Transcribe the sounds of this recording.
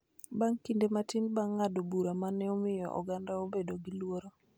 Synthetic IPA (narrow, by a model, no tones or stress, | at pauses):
baŋkindematinbaŋadobuɾamanɛɔmɪjɔ̰ʔɔ̰ɡandaobedoɡilwoɾo